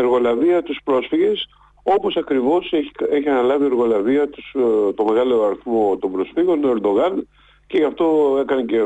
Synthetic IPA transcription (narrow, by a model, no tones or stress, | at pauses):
e̞ɾɣo̞lɐviɐt̪uspɾo̞sfiʝe̞s | o̞po̞sɐkɾivo̞seeçiɐnɐlɐvie̞ɾɣo̞lɐviɐt̪ust̪o̞me̞ɣɐloɐɾiθmo̞t̪o̞mbɾo̞sfiɣo̞noeɾd̪o̞ɣɐn | ce̞ʝɐft̪o̞e̞kɐnece̞